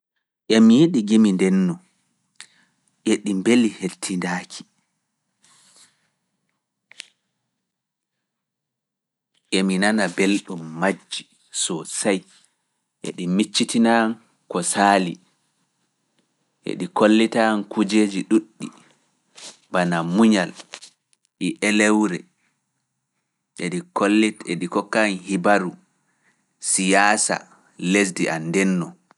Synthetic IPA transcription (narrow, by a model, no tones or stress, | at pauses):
ʔɛmijeɗiɡimindɛnːɔ | ʔeɗimbelihetʰːindaːkʰi̥ | ʔɛminanabelɗumːad͡ʒːi | sɔsaj | ʔḛɗimit͡ʃːitinan | kɔsaːli | ʔḛɗikolːitankud͡ʒed͡ʒiɗuɗːi | banamuɲal | ɗiʔɛlɛwɾɛ | ʔeɗikolːieɗikɔkːanhibaɾu | sijaːsa̰ | les̬diʔanːdɛnːɔ